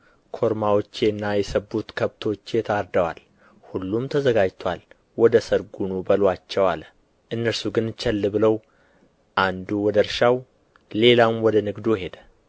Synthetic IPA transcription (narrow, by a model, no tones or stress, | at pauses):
kʰo̞ɾmawot͡ʃːeɨnːajɛsəbːut̪kʰəβt̪ʰo̞t͡ʃːt̪ʰaɾd̪əwa̰l | hulːumt̪ʰəzəɡad͡ʒt̪ʰwal | wɔd̪əsəɾɡunubəlwat͡ʃːɛwal | ʔɨnːəɾsuɡɨnt͡ʃʰɛlːɨbɨləw | ʔand̪uwɔd̪əɾʃaw | le̞lamwɔd̪ənɨɡd̪uɦe̞d̪ə